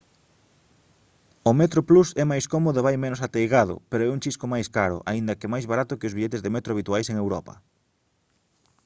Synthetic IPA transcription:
ʊmet̪ɾoplusɛmajskomoðʊeβajmenʊsat̪ejɣaðʊ̰peɾoɛũŋt͡ʃiskomajskaɾʊ̰ʔa̰ind̪ɐkɪmajzβaɾat̪ʊkɪozβiʎet̪ezðemet̪ɾoaβit̪uajseŋewɾɔpɐ̰

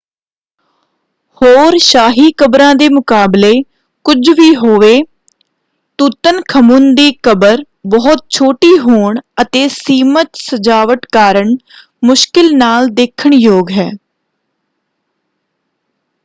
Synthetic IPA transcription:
hoːɾʃaːɦiːkəbɾãːd̪eːmʊkaːbleː | kʊd͡ʒʋiːɦoːʋeː | t̪uːt̪ənkʰəmund̪iːkəbəɾ | bɔːʊt̪̚t͡ʃʰoːʈiːɦoːɳət̪eːsiːmət̪səd͡ʒaːʋəʈkaːɾəɳ | mʊʃkɪlnaːld̪eːkʰəɳjoːɡɦɛː

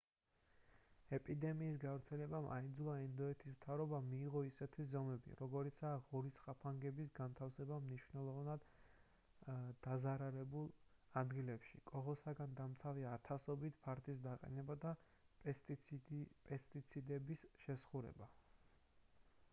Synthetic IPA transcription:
ɛpʼid̪ɛmiːsɡavɾt̪sʰɛlɛbamʔa̰ind̪zulˠaɛnd̪ɔɛt̪ʰismt̪ʰavɾɔbamiːʁɔisɛt̪ʰwiszɔmɛbḭɾɔɡɔɾit̪sʰaːʁuɾisχapʰaŋɡɛbisɡant̪ʰafsɛbamniʃvnɛlˠɔvnad̪ | d̪azaɾalɛbulˠad̪ɡilɛpʃḭkʼɔʁɔsaɡand̪amt̪sʰaviat̪ʰasɔbit̪ʰpʰaɾt̪ʰʼisd̪aqʼɛ̰nɛbad̪a | p | pʼɛst̪ʼit̪sʰid̪ɛbisʃɛsχuɾɛ̰ba

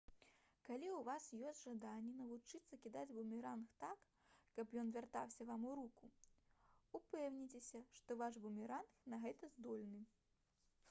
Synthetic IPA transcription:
kalʲiwvasjɔsʲtʲʐad̪anʲːɛnɐvut͡ʂɨt̪sːɐkʲid̪ad͡zʲbumʲiɾanxt̪akː | ɐpjɔnvʲart̪awsʲɐvamuɾuku | upɛwnʲit͡sʲesʲɐʂt̪ɔvaʂbumʲiɾanxnɐɣɛt̪ɐzd̪ɔlʲnɨ

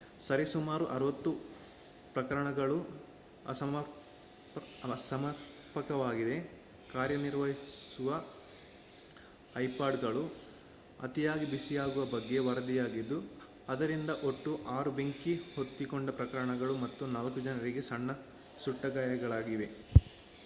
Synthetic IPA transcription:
sɐɾisumaːɾuʔɐɾuʋɐt̪ːu | pɾɐkɐɾɐɳɐɡɐɭu | ɐsɐmɐɾ | sɐmɐɾ | pɐkɐʋaːɡid̪e̞ | kaːɾjɐniɾʋɐɦisuʋɐ | jpaːɖɡɐɭu | ɐ̰t̪ijaːɡibisijaːɡuʋɐbɐɡːe̞ʋɐɾɐd̪ijaːɡid̪ːu | ɐd̪ɐɾind̪ɐʔo̞ʈːuʔaːɾube̞ŋkiho̞t̪ːikoɳɖɐpɾɐkɐɾɐɳɐɡɐɭumɐt̪ːunaːlkud͡ʒɐnɐɾiɡe̞sɐɳːɐ | suʈːɐɡaːjɐɡɐɭaːɡiʋe̞

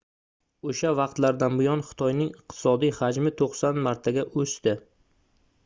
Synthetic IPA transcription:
oʃavɑqt̪laɾd̪anbʊjɒnχɪ̥t̪ʰɒjnɪŋɪqt̪ʰɪ̥sɒd̪ijhad͡ʒmɪt̪ʰoqsanmaɾt̪ʰaɡʲaʔɵst̪ɪ

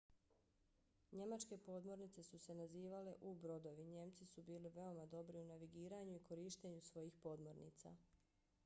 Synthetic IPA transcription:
ɲe̞mat͡ʃke̞po̞ːd̪mo̞ɾnit̪se̞suse̞naziːʋale̞ʔubɾo̞d̪o̞ʋiɲe̞ːmt̪sisubiːliʋe̞o̞mad̪o̞bɾiunaʋiɡiːɾaːɲuiko̞ɾiːʃt̪eɲusʋo̞jiːxpo̞d̪mo̞ɾnḭːt̪sa̰ː

